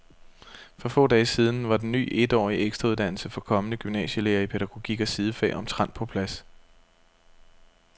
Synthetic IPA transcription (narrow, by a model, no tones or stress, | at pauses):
fɒ̽fɔ̰̽ːd̥ɛːsiːð̞ˠn̩ʋɑ̈d̥enːy̰ːʔe̝d̥ɒ̰ːieɡ̥sd̥ʁɑuðˠd̥æn̰l̩səfɒ̽kʰɒ̽mənəɡ̥ymnɛ̰ːɕəleːɐipʰeɾ̥æɡ̥o̝ɡ̥iɡ̥æsið̞ˠəfɛ̰ːʔɒ̽mt͡sʰʁɑn̰pʰɒ̽pʰlæs